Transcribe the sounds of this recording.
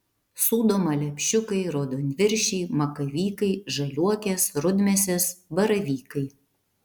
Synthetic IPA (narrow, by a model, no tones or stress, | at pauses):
suːd̪oːmɐlʲɛpʲʃʲʊkɐɪɾoːd̪oːnʲʋʲɪɾʲʃʲɛɪmɐkɐʋʲiːkɐɪʒɐlʲuɔkʲeːsɾʊd̪ʲmʲɛsʲɛsbɐɾɐʋʲiːkɐɪ